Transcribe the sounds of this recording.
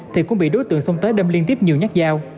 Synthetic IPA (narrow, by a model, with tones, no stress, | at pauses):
t̪ʰi˨˩kʊ̰˧˥ŋ͡mɓḭ˧˨ɗo˨˦jt̪ɨ̰˧˨əŋsə˧wŋ͡mt̪əː˨˦jɗə˧mli˧ənt̪i˦˥əp̚ɲi˨˩əwɲa˦˥k̚zaː˧w